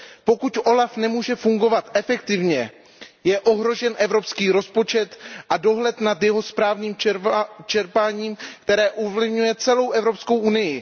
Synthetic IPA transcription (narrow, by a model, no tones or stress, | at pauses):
po̞kucʔo̞lafnɛmuːʒɛfuŋɡo̞vat̪ʔɛfɛk̚t̪ɪvɲɛ | jɛʔo̞ɦɾo̞ʒɛnʔɛvɾo̞pskiːɾo̞spo̞t͡ʃɛt̪ʔado̞ɦlɛt̪nat̪jɛɦo̞spɾaːvɲiːmt͡ʃɛɾpaːɲiːmkt̪ɛɾɛːʔuvlɪvɲujɛt͡sɛlo̞wʔɛvɾo̞psko̞wʔunɪjɪ